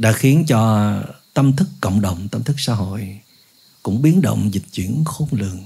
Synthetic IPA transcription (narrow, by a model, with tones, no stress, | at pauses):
ɗa̰ː˧˥xi˨˦ənt͡ɕɔ˧t̪ə˧mt̪ʰɨ˦˥kːə̰˧˨wŋ͡mɗə˨wŋ͡mt̪ə˧mt̪ʰɨ˦˥k̚sa̰ː˧˦ɦo̰˧˨j | kʊ̰˧˥ŋ͡mɓi˨˦ənɗə̰˧˨wŋ͡mzï˨˩k̟̚t͡ɕwḭ˧˩ənxo˨˦ŋ͡mlɨ̰˨˧˨əŋ